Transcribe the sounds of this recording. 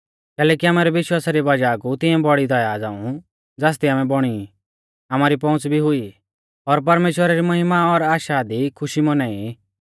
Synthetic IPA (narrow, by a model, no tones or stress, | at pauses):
kɛːlɛːkiaːmaːɾɛʋɪʃwaːsaɾiʋɐd͡ʒakut̪ɪ̃jɛ̃bɔɽid̪ɐjad͡za̰ːũ | d͡zaːs̬t̪iaːmɛ̃bɔɽ̃i | amaːɾipɔ̃ʊ̃t͡sbʱiɦʊi | ɔɾpɐɾmeːʃwəɾaɾimɐɦɪmaɔɾaːʃad̪ikʰʊʃimɔnaːi